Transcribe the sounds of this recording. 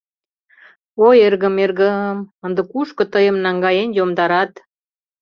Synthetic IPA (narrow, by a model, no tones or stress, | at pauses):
ojerɣəmerɣəəmənd̪ə̆kuʃkə̆t̪əjə̆mnɑŋɡɑjenjomd̪ɑɾɑt̪